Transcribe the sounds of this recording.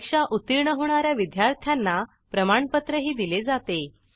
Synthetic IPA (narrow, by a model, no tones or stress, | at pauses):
kʂaʔut̪iɾɳəɦoɳ̃aɾjaʋid̪jaɾt̪ʰjanːa | pɾəmaɳpət̪ɾəɦiːd̪iled͡zat̪e